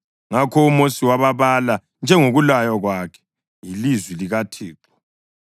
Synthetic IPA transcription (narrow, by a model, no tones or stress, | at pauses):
ŋakʰɔumosiwaβaβala | nd͡ʒʱɛŋoɣulajaɣwakʰɛ̥ | jilizwiliɣatʰiːǁɔ̥